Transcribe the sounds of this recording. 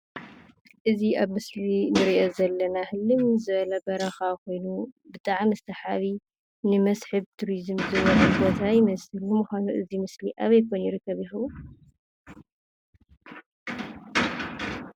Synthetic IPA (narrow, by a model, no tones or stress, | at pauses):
ʔɨziaβmɨslinɨɾiʔo̞zɐlːɐnahɨlːɨmzɨβɐlɐbɐɾɐxako̞jnubɨt̪ʼaʕmɨst̪ʰɐħaβi | nɨmɐsħɨβt̪ʰuɾizɨmzɨβɐlɐbo̞t̪ʰajɪmɐsɨlumuxʷanuʔɨzimɨsliʔaβɐjkʰonjɪɾɨkʰːɐβjɪxɨβu